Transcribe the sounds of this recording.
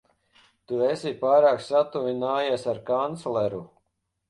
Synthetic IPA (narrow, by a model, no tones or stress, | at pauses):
t̪uesipaːɾaːksat̪uvinaːjasaɾkant̪slɛɾu